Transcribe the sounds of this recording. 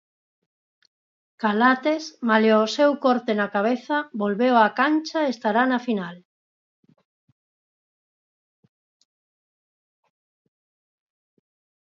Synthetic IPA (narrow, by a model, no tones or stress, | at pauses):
kalat̪esmaleosewkɔɾt̪enakaβ̞eθɐbolβewakant͡ʃaest̪aɾanafinal